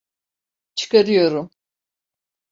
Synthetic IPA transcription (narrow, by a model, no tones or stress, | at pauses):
t͡ʃʰɯ̥kaɾɯjo̞ɾum